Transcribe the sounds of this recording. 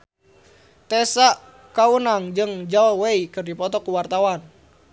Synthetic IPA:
t̪ɛsa | kaunaŋd͡ʒɨŋd͡ʒaɔweikɨrdipɔt̪ɔkuwart̪awan

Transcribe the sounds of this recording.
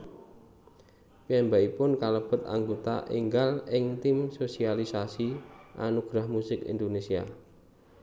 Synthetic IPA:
piɛmbaipʊnkaləb̥ə̤t̪̚a̰ŋɡot̪a̰ʔḭŋɡalɪŋt̪imsosialisasiʔanuɡ̥ɾahmusɪkḭnd̪onesia̰

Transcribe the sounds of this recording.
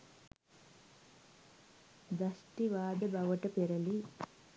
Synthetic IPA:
d̪ɐʃʈiʋaːd̪ɐbɐʋɐʈɐpɛɾɐli

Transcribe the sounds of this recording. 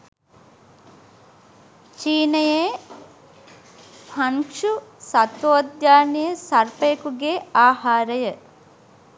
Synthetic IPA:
t͡ʃiːnəje | pʰɐŋkʂusɐt̪ʋoːd̪jaːnijəsɐrpəjəkuɡeaːhaːɾəjə

